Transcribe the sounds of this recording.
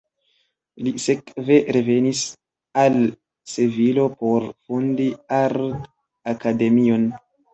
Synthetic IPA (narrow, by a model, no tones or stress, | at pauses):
lisekve̞ɾeve̞nis | al | sevilo̞po̞ɾfundiaɾ | akade̞mio̞n